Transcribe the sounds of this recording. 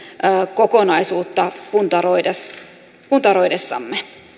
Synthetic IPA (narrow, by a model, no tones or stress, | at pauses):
ʔəːkokonɑisuːt̪ːɑpunt̪ɑɾoides | punt̪ɑɾoidesːɑ̰mːe